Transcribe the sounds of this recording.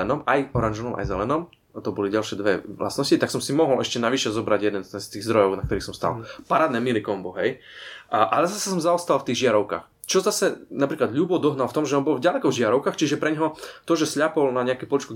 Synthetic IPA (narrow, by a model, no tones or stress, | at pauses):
ɛnɔmajɔɾanʒɔnɔmʔa̰jzɛlɛnɔm | t̪ɔbɔliɟalʃɛd̪ʋɛlʔa̰snɔscit̪aksɔmsimɔɦɔlɛʃcɛnaʋiʃɛzɔbɾaɟjɛd̪ɛnst̪ɛnst̪iːɣzd̪ɾɔjɔʊnakt̪ɔɾiːxsɔmst̪a̰lpaɾaːd̪nɛmilikɔmbɔɦɛj | ʔalɛzasɛsɔmzaɔst̪alft̪iːɣʒɪaɾɔʊka̰ːx | t͡ʃɔzasɛnapɾiːklad̪ʎuːbɔd̪ɔɦnalft̪ɔmʒɛɔːnbɔlvɟalɛkɔvʒɪaɾɔʊkaːxt͡ʃiʒɛpɾɛɲɦɔt̪ɔʒɛsʎapɔlnaɲɛakɛpɔlit͡ʃku